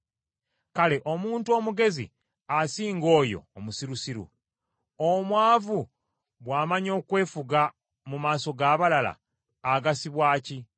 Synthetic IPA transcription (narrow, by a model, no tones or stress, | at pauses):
kale̞ʔo̞muːntuo̞ːmuɡe̞zḭ | asiːŋɡo̞ːjo̞̰ːmusiɾusiɾṵ | omwaːvu | βwaːmaɲo̞ːkwe̞ːfuɡa | mumaːso̞ɡaːβalala̰ː | ɡasiβwaːci